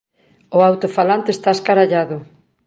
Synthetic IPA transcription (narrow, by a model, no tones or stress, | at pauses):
ʊawt̪ofalant̪eːst̪aeskaɾaʎaðʊ